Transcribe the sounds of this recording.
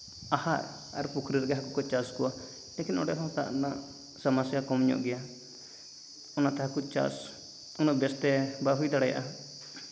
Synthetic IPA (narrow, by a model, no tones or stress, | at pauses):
ahaɾ | a̰ɾpukʰɾiɾɡɛɦakukɔt͡ʃaskuwa | lɛkinɔ̰ɖɛɦat̪a̰ʔnaʔ | samasjakɔmɲɔ̰ʔɡɛja | ɔnat̪ɛɦakut͡ʃa̰s | unɔbɛst̪ɛbaɦujd̪aɽaja̰ʔa